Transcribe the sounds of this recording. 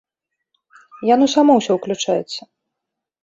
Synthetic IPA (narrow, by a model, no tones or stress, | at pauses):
janusamɔwsʲɔwklʲut͡ʂajɛ̰t̪sːɐ